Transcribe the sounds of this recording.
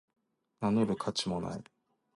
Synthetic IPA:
nanoɾɯ̟kʰat͡ɕimo̞na̰i

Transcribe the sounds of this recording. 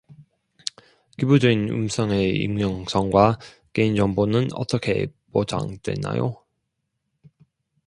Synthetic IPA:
kibud͡ʑuinṵmsʰʌŋe̞ḭmŋjʌŋsʰʌŋɡwa | ke̞ind͡ʑʌmbonɯnʌ̰t͈ʌkʰe̞̰pod͡ʑa̰ŋdwe̞̰nːa̰jo

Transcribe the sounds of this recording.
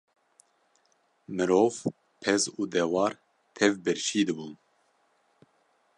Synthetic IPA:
mɨɾoːv | pʰɛzuːd̪ɛwɑːɾ | t̪ʰɛvbɨɾʃiːd̪ɨbuːn

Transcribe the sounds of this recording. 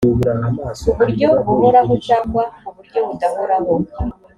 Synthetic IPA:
uβuɾanamaːsuβuɾɟo̞βuho̞ɾaɦo̞t͡ʃaːŋɡwauβuɾɟo̞βudahoɾaɦo̞

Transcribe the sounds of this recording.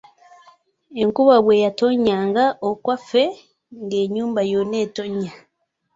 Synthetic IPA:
eŋkuβaβweːjatoɲaːŋɡaʔokwafe | ŋɡeːɲuːmbajoneːtoɲa

